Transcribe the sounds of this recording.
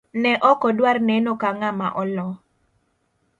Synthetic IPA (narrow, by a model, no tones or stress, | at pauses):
nɛʔɔkɔdwarnɛnokaŋamaʔɔlɔ